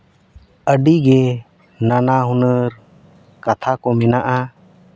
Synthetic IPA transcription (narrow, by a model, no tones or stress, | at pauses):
əɖiɡɛ | nanaɦunəɾ | kat̪ʰakɔmɛnaʔa